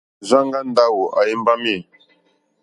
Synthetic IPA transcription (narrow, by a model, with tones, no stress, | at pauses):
za˦ŋɡa˦n˨da˦wo˨ʔa˨je˦mba˦mi˦˨